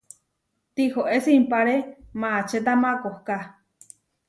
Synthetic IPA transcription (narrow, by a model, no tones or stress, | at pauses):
t̪ihoʔesimpaɾemaːt͡ʃet̪̬amakohka